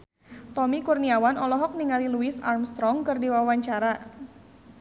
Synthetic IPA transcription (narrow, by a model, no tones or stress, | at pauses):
t̪ɔmikurniawanɔlɔɦɔk̚niŋaliluisarmst̪ɾɔŋkɨrdiwawaɲt͡ʃaɾa